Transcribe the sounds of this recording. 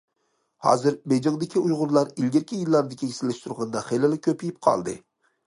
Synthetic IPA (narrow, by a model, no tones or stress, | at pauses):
hɑ̰ːzɨɾbed͡ʒɪŋd̪ɪkʲʰiujʁʊɾlˠɑɾilɡʲɪɾkʲʰijilˠːɑɾd̪ɪkʲʰisɪlːɪʃt̪ʰuɾʁɑnd̪ɑχelɪlˠɪkʲʰøpʰijip̚qʰɑ̰lˠd̪ɨ̰